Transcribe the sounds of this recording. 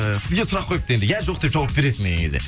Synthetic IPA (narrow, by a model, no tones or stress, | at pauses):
əsɪzɡʲe̞sʊɾɑqʰːo̞jəp̚t̪əjend̪ɪjæɾʒo̞q̚d̪epʒ̥ɑwɑp̚be̞ɾe̞sɪnd̪eɡʲeŋkʰʲezḛ